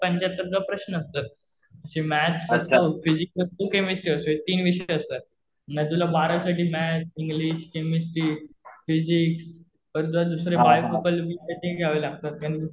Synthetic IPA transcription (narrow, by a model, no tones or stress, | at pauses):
pəɲt͡ɕat̪ːəɾd͡zapɾəɕnəəst̪at̪̚ | əɕĩmæt͡ɕsəst̪ofid͡ʑikət̪okemisʈiəsoet̪iːnʋiɕeəst̪at̪̚ | nəd̪ulabaɾasaʈiːmæt͡ɕiŋɡliɕkemisʈiːfid͡ʑiks | pəɾt̪ad̪usɾebajfukəlbiːt̪et̪ẽiɡʱaʋəlaɡ̚t̪at̪̚kañi